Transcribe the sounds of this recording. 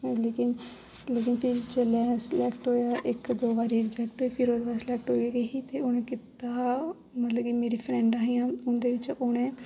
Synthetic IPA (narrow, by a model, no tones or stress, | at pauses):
leːkɪn | leːkɪnpʰɪɾt͡ʃelɛːslɛːkʈɦoːjaːʔɪkd̪oːbaːɾiːd͡ʒɛːk̚ʈɦoːiːpʰɪɾoːd̪ebaːslɛːk̚ʈɦoːɡeːɡekiːt̪eːʊñẽːkɪt̪aː | mət̪ləbkimeːɾiːpʰɾɛ̃ːɳɖaːɦijãːʊnd̪eːʋɪt͡ʃʊɽ̃ẽː